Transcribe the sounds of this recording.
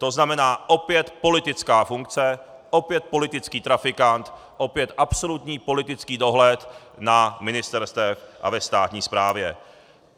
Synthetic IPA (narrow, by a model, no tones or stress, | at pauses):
t̪o̞znamɛnaːʔo̞pjɛt̪po̞lɪt̪ɪt͡skaːfuŋk̚t͡sɛ | ʔopjɛt̪̚po̞lɪt̪ɪt͡skiːt̪ɾafɪkant̪ | ʔo̞pjɛt̪ʔapso̞lut̪ɲiːpo̞lɪt̪ɪt͡skiːdo̞ɦlɛt̪ | namɪnɪst̪ɛɾst̪ɛfʔa̰vɛst̪aːt̪ɲiːspɾaːvjɛ